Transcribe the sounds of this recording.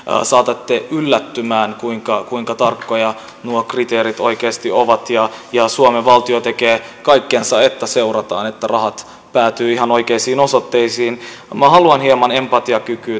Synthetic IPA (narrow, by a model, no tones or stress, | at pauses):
sɑːt̪ɑt̪ːeʔylːæt̪ːymæːnkuiŋkɑkuiŋkɑt̪ɑrkːojɑ | nuokrit̪eːɾit̪o̞̰ikeːst̪ioʋɑt̪jɑjɑsuomeʋɑlt̪iot̪e̞keːkɑikːensɑet̪ːæseurɑt̪ɑ̰ːnet̪ːærɑɦɑt̪ | pæːt̪yːiɦɑno̞ikeisiːnosot̪ːeisiːn | mæɦɑluɑnhiemɑne̞mpɑt̪iɑkykyː